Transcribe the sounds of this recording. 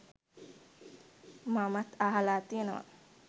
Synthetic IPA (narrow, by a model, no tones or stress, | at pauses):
mamat̪aɦalaːt̪ijenəʋa̰